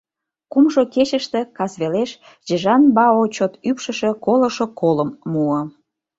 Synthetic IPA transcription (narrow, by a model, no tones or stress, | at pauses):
kumʒoket͡ɕəʃt̪ĕkɑsβeleʃ | ʑəʒɑnbɑot͡ɕot̪ypʃəʃekoləʃokoləmːuə̆